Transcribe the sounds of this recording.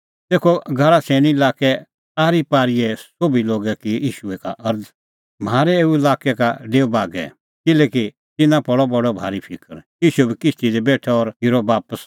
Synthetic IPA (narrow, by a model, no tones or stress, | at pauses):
t̪eːkʰoɡʱaɽasʰeːɽ̃iɪlaːkɛ | aːɾipaːɾijɛsobiloːɡɛkijiːʃuɛkaʔɐɾd | maːɾɛeːuɪlaːkɛkaɖeːbaːɡɛ̰ | kɪlɛːki | t̪ɪnãpɐɽɔbɐɽɔbʱaːɾipʰɪkəɾjiːʃuɛbʱikɪst̪id̪ɛbeːʈʰɛɔɾiɾɔbaːpəs